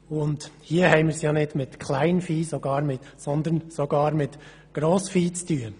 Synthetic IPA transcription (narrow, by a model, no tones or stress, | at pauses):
ʊndhiəhɛɪmɪːɾsjɑːnɪdmɪt̪kʰlæɪnfiːsɔɡ̥ɑːɾmɪt̪sɔnd̪ənsɔɡ̥ɑːɾmɪt̪ | ɡ̥ɾoːsfiːt͡styːə